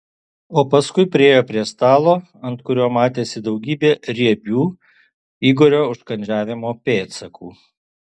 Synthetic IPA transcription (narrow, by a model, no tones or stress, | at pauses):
oːpɐskʊɪpʲɾʲɪeːjoːpʲɾʲiɛst̪ɑːlˠoː | ɐnt̪kʊɾʲoːmɑːt̪ʲeːsʲɪd̪ɒʊɡʲiːbʲeːɾʲiɛbʲuː | iːɡoːɾʲoːʊʃkɐnʲd͡ʒʲæːʋʲɪmoːpʲeːt̪sɐkʰuː